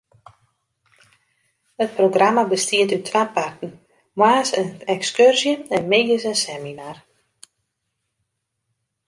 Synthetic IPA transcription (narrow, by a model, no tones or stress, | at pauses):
ət̚proɡramabəstiətytʰʋaːpartən̩ | mwaːsənɛkskørzjəɛnmeɡəsənsɛminar